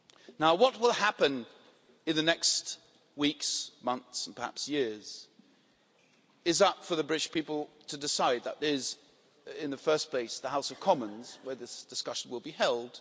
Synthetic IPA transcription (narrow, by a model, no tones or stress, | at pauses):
naʊwʌt̚wɪlˠhæpɨ̃n | ɨ̃nðɨnɛkst | wiksmʌ̃nθsn̩pʰə˞hæ̰psjɪɹz̥ | ɨzʌpfə˞ðɨbɹɪɾʃpʰipl̩ˠtʰɨdɨsaɪd̪̚ðə̰ɾɪz | ɪ̃nðɨfɜ˞spʰl̥eɪsðəɦaʊsʌv̥kʰɑmə̃nzwə˞ðɪsd̥ɨskʌʃn̩wəlˠbihɛlˠd̥